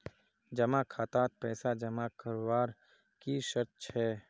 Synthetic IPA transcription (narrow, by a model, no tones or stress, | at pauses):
d͡ʒəmakʰaːt̪aːt̪̚pɛːsad͡ʒəmakʰəɾwaːɾ | kiʃəɾt̪t͡ʃʰɛː